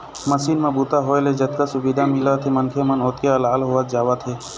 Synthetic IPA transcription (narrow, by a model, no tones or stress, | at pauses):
mɐʃiːnmẽbuːt̪aɦoːeled͡ʒɐt̪kasʊbiːd̪ʱamɪlat̪ʰemɐnkʰemənʊt̪keɐlaːlɦʊat̪d͡ʒaːʋat̪ʰeː